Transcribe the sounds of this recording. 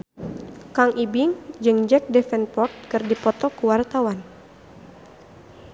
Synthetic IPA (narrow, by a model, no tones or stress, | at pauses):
kaŋʔibɪŋd͡ʒɨŋd͡ʒɛk̚dɛfɛnpɔrt̪̚kɨrdipɔt̪ɔkuwart̪awan